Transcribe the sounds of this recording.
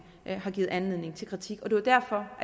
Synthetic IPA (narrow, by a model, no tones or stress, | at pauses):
hɑ̈ɡ̥ḭːð̩ˠænle̝ð̰ˠne̝ŋ̩t͡sʰe̝lkʰʁit͡sʰiɡ̥ɒ̽d̥e̝ʋd̥æɐfɒ̽ʔæ